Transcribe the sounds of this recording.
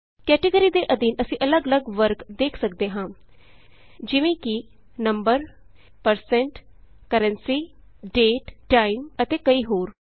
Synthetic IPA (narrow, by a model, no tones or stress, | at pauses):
kɛːʈəɡəɾiːd̪eːʔəd̪iːnəsĩːʔələɡələɡʋəɾkd̪eːkʰsəkd̪eːɦãː | d͡ʒɪʋẽːki | nəmbəɾ | pəɾsɛ̃ɳʈ | kəɾə̃nsiːɖeːʈʈaːɪmət̪eːkəiːɦoːɾ